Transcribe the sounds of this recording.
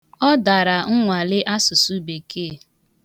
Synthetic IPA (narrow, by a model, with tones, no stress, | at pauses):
ɔ˦da˨ɾa˨ŋ̩˦ŋʷa˨lɪ˦ʔa˦sʊ˨su˦be˨ke˦˨